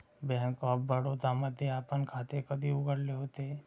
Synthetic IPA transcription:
bɛɦɛŋkɔːbbəɽɦot̪amɐd̪ʱjeaːpənkʰaːt̪ekɐd̪ʱiʊɡəɾleɦoːt̪eɦɛ

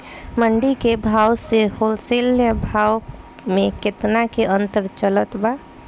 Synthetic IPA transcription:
məɳɖikebʱawseholseljəbʱaw | mẽket̪nakeʔənt̪əɾt͡ʃələt̪ba

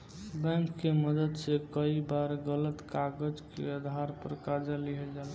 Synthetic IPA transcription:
bɛ̃ŋkːeməd̪əd̪sekəibaɾɡələt̪kaɡəd͡ʒkḛəd̪ʱaɾpəɾkad͡ʒaliɦɛd͡ʒal

